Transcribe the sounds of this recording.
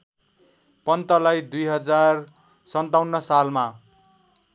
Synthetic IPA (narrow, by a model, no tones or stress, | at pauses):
pʌnt̪ʌlajd̪ujɦʌd͡zar | sʌnt̪awnːʌsalma